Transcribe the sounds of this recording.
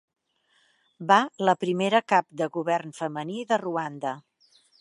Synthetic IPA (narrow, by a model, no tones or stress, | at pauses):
baləpɾimeɾəkap̚d̪əɣuβɛrnfəməniðəruand̪ə